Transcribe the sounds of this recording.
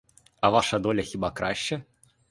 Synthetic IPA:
ɐvaʂɐd̪ɔlʲɐxʲibakɾʔaɕt͡ɕɛ

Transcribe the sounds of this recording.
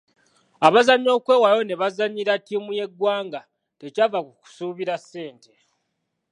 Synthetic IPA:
aβazaɲːo̞ːkwe̞ːwajo̞ne̞βazaɲːiɾatimuje̞ɡwaːŋɡa | te̞cavakuku̥suːβiɾasːe̞ːnte

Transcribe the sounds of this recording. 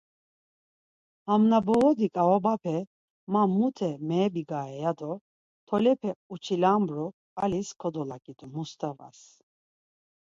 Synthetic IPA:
hamnabɔɣɔd̪ikʼaɔbapʰɛ | mamːut̪ʰɛmɛːbiɡaɛjad̪ɔ | t̪ʰɔlɛpʰɛut͡ʃʰilambɾɔ | aliskʰɔd̪ɔlakʼid̪umust̪ʰɛva̰s

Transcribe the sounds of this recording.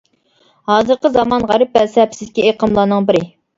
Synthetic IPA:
hɑːzɨɾqəzɑmɑnʁæɾɨp̚bɛlsɛpsɪzɪkʲieqʰəmlˠɑːnɨŋbɪɾɪ

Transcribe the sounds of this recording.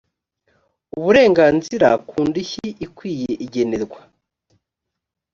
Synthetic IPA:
uβuɾe̞ːŋɡaːnziɾa̰kʰuːndiçiikwiːjeʔiɟe̞ne̞ɾɡwa

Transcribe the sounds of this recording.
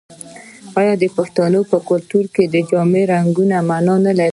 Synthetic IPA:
ɑjɑd̪əpaxt̪anopəkʊlt̪uɾked̪əd͡ʒɑmeɾaŋɡunamanɑnala

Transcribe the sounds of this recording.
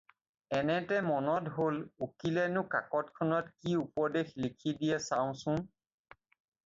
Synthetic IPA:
ɛnɛtɛmɔnɔtɦolukilɛnʊkakɔtkʰɔnɔtkiupɔdexlikʰidijɛsaʊ̃sʊ̃

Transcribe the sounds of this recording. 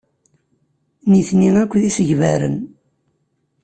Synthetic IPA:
niθniŋækʷːðisəʝvæɾə̰n

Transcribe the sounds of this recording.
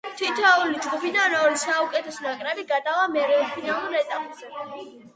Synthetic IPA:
t̪ʰit̪ʰɛulid͡ʒɡupid̪anɔɾisaukʼɛt̪ʰɛsɔnakʼɾɛbiɡad̪avamɛɾɛupʰinalˠuɾɛt̪ʼamʼzɛ

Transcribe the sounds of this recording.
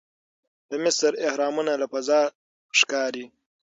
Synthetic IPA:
d̪̥əmɪsɾɪhɾɑːmunalapazɑː | ʂkɑːɾi

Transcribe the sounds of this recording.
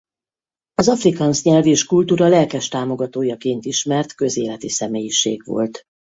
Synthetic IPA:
ɒzɒfrikɒnsɲɛlveːʃkult̪uːɾɒlɛlkɛʃt̪aːmo̞ɡɒt̪oːjɒkeːnt̪iʃmɛrt̪kø̞zḛːlɛt̪isɛmeːjiʃḛːɡʋo̞̰lt̪

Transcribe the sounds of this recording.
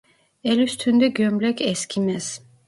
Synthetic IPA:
ɛlyst̪ʰynd̪ɛɡømlɛkʰɛskʰimɛz

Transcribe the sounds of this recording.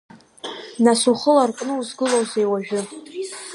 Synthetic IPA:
nasuχəlarkʼnɨuzɡɨlowzejwaʒᶣʊ

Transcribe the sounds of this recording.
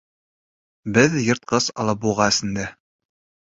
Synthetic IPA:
bɘðjɤ̆ɾt̪̚qɤsɑlˠɤp̚buʁɑɘ̆sɘ̆nd̪æ

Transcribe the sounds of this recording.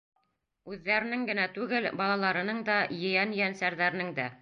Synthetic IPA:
ʉðːæɾɘ̆nɘŋɡɘ̆næt̪ʉɡɘlbɑlˠɑlˠɑɾɤ̆nɤɴd̪ɑjɤ̆jænjænsæɾðæɾɘnɘŋd̪æ

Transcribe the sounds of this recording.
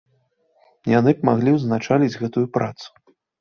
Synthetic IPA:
janɨpmaɣlʲiwznat͡ʂalʲid͡zʲɣɛt̪ujupɾa̰t̪su̥

